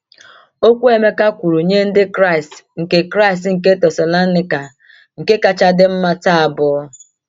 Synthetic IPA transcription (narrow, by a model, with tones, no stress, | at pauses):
o˦kʷu˦e˨me˦ka˦kʷu˨ɾu˨ɲe˦n̩˦dɪ˦kɾa˦i˨stŋ̩˨ke˦kɾa˦i˨s̬tŋ̩˨ke˦tɛ˨sɔ˨lɔ˦nɪ˦ka˨ | ŋ̩˨ke˦ka˦t͡ʃa˦dɪ˦m̩˦ma˦ta˦a˨bʊ˨˦